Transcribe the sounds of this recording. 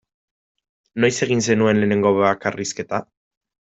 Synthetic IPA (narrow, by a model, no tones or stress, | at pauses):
no̞jse̞ɣ̞inse̞nue̞nle̞ːne̞ŋɡo̞βakariske̞t̪a